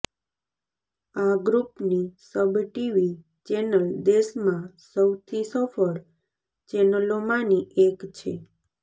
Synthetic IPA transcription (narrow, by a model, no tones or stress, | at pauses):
aɡɾupnisəbʈiʋi | t͡ʃɛnəld̪esmãsəwt̪ʰisəfəɭ | t͡ʃɛnəlomãniʔekt͡ʃʰe